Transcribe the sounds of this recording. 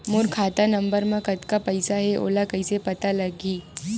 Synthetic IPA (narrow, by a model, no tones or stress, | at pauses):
muɾkʰat̪anəmbəɾməkət̪kapəjsaɦeʔo̰lakəjsepət̪aləɡiː